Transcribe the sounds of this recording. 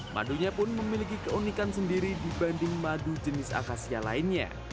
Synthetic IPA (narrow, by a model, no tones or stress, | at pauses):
mʔa̰duɲapʊnməmilikikəunikansəndiɾidibandɪŋmadud͡ʒənɪsa̰kasiala̰ɪnɲa̰